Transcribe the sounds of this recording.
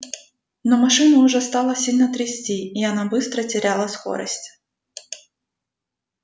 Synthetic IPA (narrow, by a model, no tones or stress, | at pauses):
nomɐʂɨnəʊʐɛst̪ɑlˠəsʲilʲnət̪ɾʲɪsʲtʲiːɐnabɨst̪ɾətʲɪɾʲalˠəsko̞̰ɾə̰sʲtʲ